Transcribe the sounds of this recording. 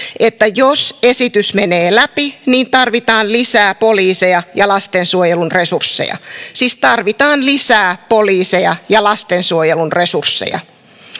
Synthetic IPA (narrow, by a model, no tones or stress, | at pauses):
ʔet̪ːæjosesit̪ysmeneːlæpiniːnt̪ɑrʋit̪ɑːnlisæːpoliːsejɑjɑlɑst̪ensuojelunresursːḛjɑ̰siːst̪ɑrʋit̪ɑːnlisæːpoliːsejɑjɑlɑst̪ensuojelunresursːḛjɑ̰